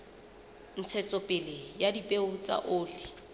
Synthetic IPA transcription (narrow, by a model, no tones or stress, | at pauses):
n̩t͡sʰɛt͡sʼɔpʼɪlejadipʼeʊt͡sʼa̰ʔoːli